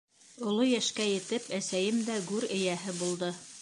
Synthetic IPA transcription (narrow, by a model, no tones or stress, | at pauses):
ŏlˠojæʃkæjɘ̆t̪ɘpæsæjɘmd̪æɡʉɾɘ̆jæɦɘbulˠd̪ɤ